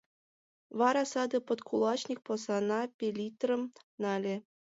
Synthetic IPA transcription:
ʋɑɾɑsɑd̪ɤ̆pɤ̆t̪kʰulˠɑt͡ɕnʲik̚pŏsɑnɑpʲelʲit̪rɤ̆m | nɑlʲĕ

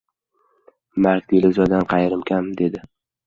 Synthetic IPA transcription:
maɾk̚ʲt̪ilɪzɒd̪anqʰɑjɾɪmkʲʰamd̪e̞d̪ɪ

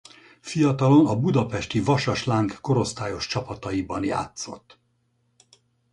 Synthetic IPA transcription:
fijɒt̪ɒlo̞nɒbud̪ɒpɛʃt̪ivɒʃɒʃlaːŋkːo̞ɾo̞st̪aːjo̞ʃt͡ʃɒpɒt̪ɒibɒnja̰ːt̪so̞̰t̪ː

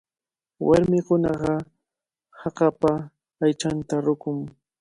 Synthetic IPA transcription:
wa̰ɾmɪkʊnɑɢɑ | hɑqɑpaː | jt͡ʃant̪aɾʊkʊŋ

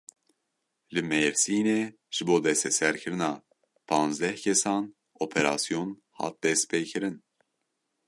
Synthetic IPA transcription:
lɨmɛvsiːneː | ʒ̥ɨboːd̪ɛst̪ɛsɛɾkʰɨɾɨnɑː | pʰɑːnzd̪ɛhkʰɛsɑːn | oːpʰeɾɑːsijon | hɑ̰ːt̪̚d̪ɛst̪̚pʰeːkʰɨɾɨn

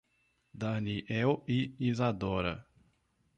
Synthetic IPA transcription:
d̪aniʔɛwiizad̪ɔɾɐ̰

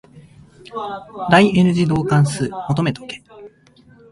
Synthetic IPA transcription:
d̪aiʔe̞nɯ̟ʑid̪o̞ːkãɰ̃sɨːmo̞t̪ome̞t̪o̞̥ke̥

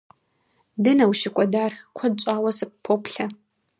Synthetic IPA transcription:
dɨnɐwʃɪkʷʼɔdaːrkʷʰɐd̚ɕʷʼaːwɐsɨp̚pʰːopʰɬɐ

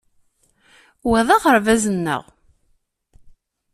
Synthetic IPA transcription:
wæðˤɑʁəɾvæzənːə̰ʁ

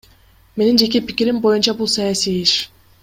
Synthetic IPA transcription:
me̞nind͡ʒe̞k̬epikʲiɾimbo̞junt͡ʃabulˠsɑjasiiʃ

